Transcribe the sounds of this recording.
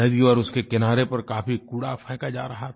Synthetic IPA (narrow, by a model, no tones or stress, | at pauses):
ɛd̪iɔːɾʊskekɪnaːɾepɐɾkaːfikuɽapʰɛ̃ːkad͡ʒa̰ːɾɐɦat̪ʰ